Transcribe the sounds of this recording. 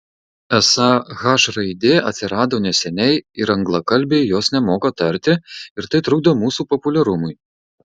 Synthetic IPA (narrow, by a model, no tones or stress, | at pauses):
ɛsɑɣɑːʃɾɐɪd̪ʲeːʔɐt̪ʲsʲɪɾɑːd̪oːnʲɛsʲɛnʲɛɪɪɾɐŋɡlˠɐkɐlʲbʲejjoːsnʲɛmoːkɐt̪ɐɾʲt̪ʲɪɪɾt̪ɐɪt̪ɾʊɡ̚d̪oːmuːsuːpɔpʊlʲɛɾʊmʊj